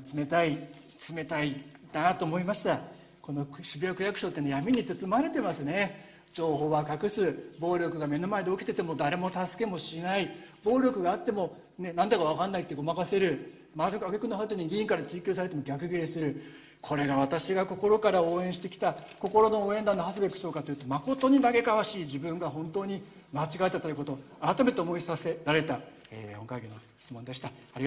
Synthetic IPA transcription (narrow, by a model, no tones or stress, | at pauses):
t͡sɨme̞t̪ai | t͡sɨme̞t̪ai | d̪at̪o̞ːmo̞imaɕi̥t̪a | ko̞no̞ɕibɯjokɯ̟jakɯ̟ɕo̞ːt̪ːe̞nejamʲiɲ̟it͡sɨt͡sɨmaɾe̞t̪e̞masɨne̞ | d͡ʑo̞ːɦo̞ːβakakɯ̟sɨbo̞ːɾʲo̞kɯ̟ɡame̞no̞maed̪e̞o̞ki̥t̪e̞t̪e̞mo̞d̪aɾe̞mo̞t̪asɨ̥ke̞mo̞ɕinaibo̞ːɾʲo̞kɯ̟ɡaːt̪ːe̞mo̞ | ne̞nãnd̪akaβ̞akanːait̪ːe̞ɡo̞makase̞ɾɯ̟ | maokaɡekɯ̟nːoɦaɯt̪̬oɲ̟iɡʲiĩŋkaɾat͡sɨːkʲoːs̬aɾe̞t̪̬e̞moɡʲakɯ̟ɡʲiɾʲesɨɾɯ̟ | kʰo̞ɾe̞ɡaβat̪aɕiɡako̞ko̞ɾo̞kaɾao̞ːẽ̞ɰ̃ɕit̪e̞kʲi̥t̪ako̞ko̞ɾo̞no̞oːe̞nd̪ãnːohasɨbekɯ̟̥so̞ːkat̪o̞jiɯ̟t̪o̞mako̞t̪o̞ɲ̟inaɡe̞kaβaɕiːʑibɯ̟̃ŋɡaɦõ̞nt̪o̞ːɲ̟i | mat͡ɕiɡat̪ːat̪ːaɾɯ̟ko̞t̪o | aɾat̪ame̞t̪e̞omo̞isaseɾaɾe̞t̪a | ḛːhõ̞ŋkaiɡʲinoçʲi̥t͡sɨmo̞nd̪eɕi̥t̪aaɾʲia